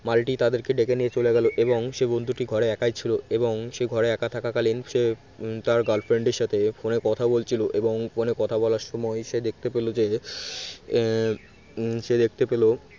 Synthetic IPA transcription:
malʈit̪ad̪eɾkeɖekeniet͡ɕoleɡɛloʔeboŋʃebond̪ʱuʈiɡʱɔɾeɛkajt͡ɕʰiloeboŋʃeɡʱɔɾeɛkat̪ʰakakalinʃe | t̪aɾɡalfɾeɳɖeɾʃat̪ʰefonekɔt̪ʰabolt͡ɕʰiloʔeboŋfonekɔt̪ʰabɔlaɾʃɔmɔeʃed̪ek̚ʰt̪epelod͡ʑe | ʃed̪ek̚ʰt̪epelo

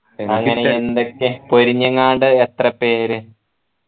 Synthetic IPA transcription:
ɐŋːɐneend̪okːepoɾiɲːɐŋːaːɳɖɨet̪rɐpːeːɾɨ

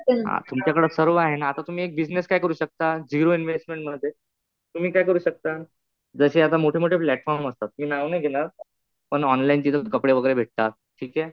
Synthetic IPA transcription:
ɦã̰t̪umt͡ɕakəɽəsəɾʋəaɦenaːt̪at̪um̤iːek̚bid͡zneskajkəɾuːɕək̚t̪ad͡ʑiɾoinʋesʈmeɳʈməd̪ʱːje | t̪um̤iːkajkəɾuːɕək̚t̪a | d͡zəɕeat̪̬amoʈʰemoʈʰeplæʈfɔɾməst̪at̪ːmiːnaʋneɡʱelaɾ | pəɳɔnlaint̪it̪əkəpɽeʋəɡəɾebʱeʈ̚t̪at̪̚ʈʰiːkɛ

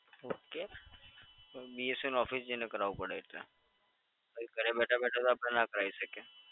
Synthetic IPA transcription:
oːkeː | biːesunɔːfisd͡ʒɪnẽkəɾaːupəɽaːit̪a̰ | ɐkəɾebɛːʈʰabɛːʈʰat̪aːbɾnakəɾaːisəkeː

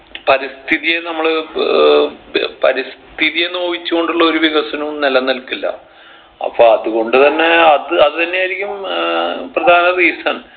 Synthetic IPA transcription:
pɐɾist̪ʰiðijenɐmːɐɭ | pɐɾist̪ʰiðijenːoːʋit͡ɕːuɣo̞ɳɖuɭːɐoɾuʋiɣɐsɐnunelɐnɐlkːilːɐ̰ | ɐ̰pːoɐðuɣo̞ɳɖɨt̪ɐnːe̞ɐðɨɐðɨt̪ɐnːe̞jaːjɾikʲːum | prɐd̪ʱaːnɐriːsɐn

